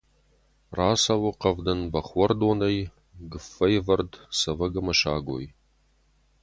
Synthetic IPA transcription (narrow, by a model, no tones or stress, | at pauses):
raːsɐwʊqɐvdɐnbɐχʷɔrdoːnɐj | ɡɨfːɐjvɐrdsɐvɐɡɐmɐɕaːɡʷo̰j